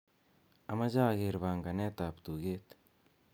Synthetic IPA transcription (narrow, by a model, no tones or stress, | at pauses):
ɐmɐzaːɡeɾβaːŋɡɐneːt̪aːpt̪uːɡeːt̪